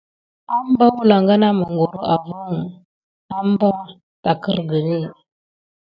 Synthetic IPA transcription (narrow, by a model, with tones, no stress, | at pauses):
a˦m˦ba˦wu˦la˨ŋɡa˦na˦mə˨ŋɡo˨ɾo˦ʔa˨vu˦ŋ˨ | a˦m˦ba˦ | ta˨kə˦ɾɡə˨ni˦˨